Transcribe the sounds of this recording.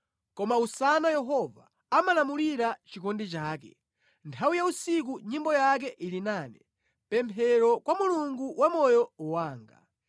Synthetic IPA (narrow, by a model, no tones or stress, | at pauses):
kɔmausanajɛɦɔvaː | malamuliɾat͡ʃikɔndit͡ʃaːkɛ̰ | ntʰawujausik̬uɲimbɔjak̬ɛʔilinaːnɛ | pɛmpʰɛɾɔkwamuluŋɡuwʔamɔjɔuwaːŋɡa̰